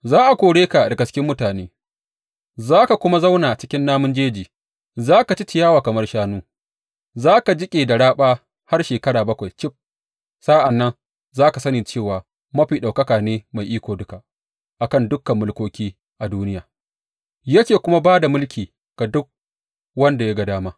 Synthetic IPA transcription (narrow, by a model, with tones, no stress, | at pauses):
zaː˦ʔa˨kʷoː˨ɽeː˦ka˨dɐ˨ɡɐ˨t͡ʃɪ̥˦kʲɪ˦mːʊ˦taː˨neː˦ | zaː˦ka˨kʷʊ˦ma˦za˦wnaː˨ʔa˨t͡ʃɪ̥˦kʲɪ˦nːaː˦mʊ˦nd͡ʒeː˦d͡ʒiː˨ | zaː˦ka˨t͡ʃi˦t͡ʃɪ˨jaː˦waː˨kɐ˨mɐ˦rʃaː˦nuː˦ | zaː˦ka˨d͡ʒɪ˦kʲʼeː˨da˨ɽaː˦ɓaː˦ | ha˦rʃeː˨kɐ˦ɽaː˨bɐ˦kʷa˨jt͡ʃɪ˦p̚ | sa˦ʔa˨nːɐ˦n | zaː˦ka˨sɐ˦niː˨t͡ʃeː˦˨waː˨ | mɐ˦ɸiː˨ɗa˨wkɐ˦kaː˨neː˦ma˨jʔiː˦kʷoː˨dʊ˦ka˨ʔ | ʔa˨kɐ˦˨ndʊ˦kːɐ˨mːʊ˦lkʷoː˦kʲiː˦ | ʔa˨duː˦nɪ˦jaː˨ | jɐ˦kʲeː˨kʷʊ˦ma˦baː˦da˨mʊ˦lkʲiː˨ | ɡ̥a˨dʊ˦k̚ | wɐ˦nda˨ja˦ɡɐ˨daː˦maː˦